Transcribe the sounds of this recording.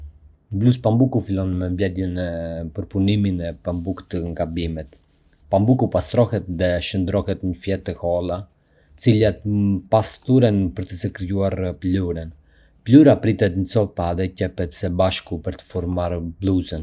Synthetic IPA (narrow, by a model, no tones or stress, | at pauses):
bluspambukufilɔnmɛmblɛd̪ɛnɛpəɾpuniminɛpambukt̪əŋɡabimɛt̪ | pambukupast̪ɾɔhɛt̪ðɛʃənd̪ɾɔhɛt̪ɲəfjɛt̪ːəhɔlˠa | ət͡silat̪past̪uɾɛnpəɾt̪əsəkɾijuaɾpluɾɛn | pluɾapɾit̪ɛt̪nt͡sɔpaðɛcɛpɛt̪sɛbaʃkupəɾt̪ə̥fɔɾmaɾblˠuzən